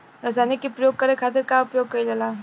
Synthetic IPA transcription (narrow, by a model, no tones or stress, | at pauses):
ɾɐzaːnikːipɾɐjoːɡ̚kɐɾekʰaːt̪̬ɪɾkaʊpjoːɡ̚kɐid͡ʒɐlaː